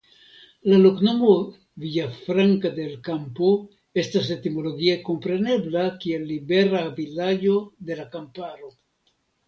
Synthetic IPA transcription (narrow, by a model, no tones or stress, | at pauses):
lalokno̞mo | viafɾaŋkad̪e̞lkampo | e̞staset̪imo̞lo̞ɡieko̞mpɾe̞ne̞blakielːibe̞ɾavilad͡ʒo̞d̪e̞lakampaɾo̞